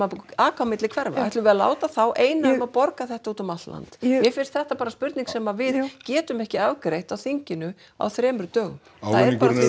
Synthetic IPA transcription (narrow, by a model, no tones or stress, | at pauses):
aaːkʰawmɪt̪lɪkʰvɛɾva̰ajht̪lʏvɛðala̰ːwt̪aθawʔeːjnaʏmaðpɔɾkaθɛht̪auːt̪ɔmat̪la̰nt̪jɛfɪnst̪θɛht̪apaːɾaspʏɾt̪niŋksɛːmavɪðcɛːt̪ʏmɛhcɪavkɾejht̪awθiɲcɪnʏ | a̰wθɾɛːmʏɾʏt̪œːɣ | aðɛɾpkaɾ